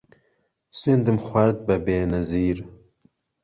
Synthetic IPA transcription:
swend̪ɨmxʷwɐɾd̪̚bɐbeːnɐziːɾ

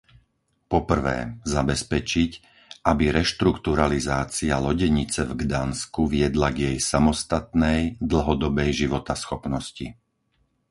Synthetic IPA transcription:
pɔpr̩ʋɛ̰ːzabɛspɛt͡ʃic | ʔabiɾɛʃt̪ɾukt̪uɾalizaːt͡sialɔɟɛɲit͡sɛvɡd̪anskuʋɪɛd̪laɡjɛjsamɔst̪at̪nɛjd̪l̩ˠɦɔd̪ɔbɛjʒiʋɔt̪asxɔpnɔscḭ

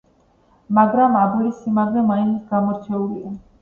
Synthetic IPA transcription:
maɡɾamabilisimaɡvɛmainsɡamɔɾt͡ʃʰɛulia

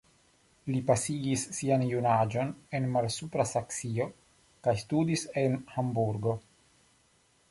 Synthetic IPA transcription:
lipasiɡisːianjunad͡ʒo̞ne̞nmalsupɾasaksio | kajstudise̞nhambuɾɡo̞

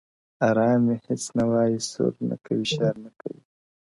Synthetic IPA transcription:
ɑɾɑːmehɪt͡snawɑjiso̰ɾna̰kʰawiʃɑɾnaka̰wi

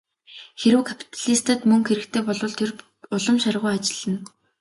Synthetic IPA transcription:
xeɾɘ̆wkʰapʰi̥t̪ʰaɮist̪ə̆t̪mɵŋxeɾɘ̆k̚t̪ʰeːpɔɮʊ̆ɮt̪ʰer | ʊɮə̆mʃarʁʊjat͡ɕɪ̥̆ɮə̆n

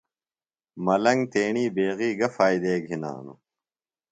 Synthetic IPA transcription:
mɐlɐŋɡt̪eːɳiːbeːɣiːɡɐfaːjd̪eːɡʱina̰ːnṵ

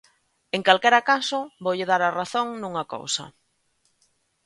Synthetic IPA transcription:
eŋkalkɛɾakasʊβowʎɪðaɾaraθoŋnũŋako̰wsɐ̰

